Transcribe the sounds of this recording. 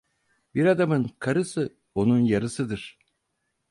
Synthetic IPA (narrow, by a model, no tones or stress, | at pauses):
biɾɑd̪amɯŋkʰaɾɯsɯ | onuŋjɑɾɯsɯd̪ɯɾ